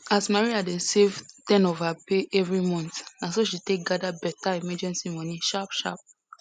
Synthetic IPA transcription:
asmaɹiadɛ̃sevtɛ̃nɔvapeʔɛvɹimɔ̃ntnãsoʃitek̚ɡadabɛtaimɛd͡ʒɛ̃nsimɔ̃nĩʃapʃa̰p̚

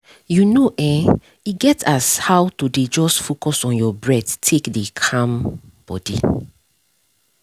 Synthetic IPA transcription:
junoʔɛ | iɡɛtashawtuded͡ʒɔstfokɔsɔ̃njɔbɹɛdtʰekdekʰãm | b̥ɔ̰dḭ

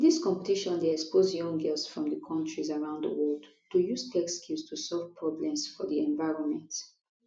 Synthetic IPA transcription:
d̪iskɔ̃mpətiʃɔ̃ndeɛkspozjɔ̃ŋɡɛlsfɹɔ̃md̪əkʰɔ̃ntɹizaɹãʊ̃ndðə̰wɔld | tujuzkʰɛkskʰistʰusɔlvpʰɹɔblɛ̃msfɔðiɛ̃ɱvaɪɹɔ̃nmɛ̃nt

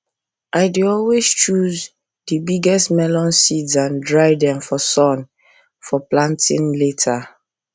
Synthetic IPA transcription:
ʔaɪdeɔlwest͡ʃuz | dibiɡɛstmɛlɔ̃nsidzãndɹaɪdɛ̃mfɔsɔ̃n | fɔplãntḭ̃nletʰa

